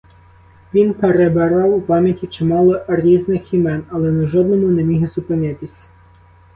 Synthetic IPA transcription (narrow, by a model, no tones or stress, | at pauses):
ʋʲinpeɾebeɾɑwupɑmʲjɐtʲit͡ʃɪmɑlˠɔɾʲiznɪximɛnɐlˠɛnɛʒɔd̪nɔmʊnɛmʲiɦzʊpɪnɪt̪ɪsʲ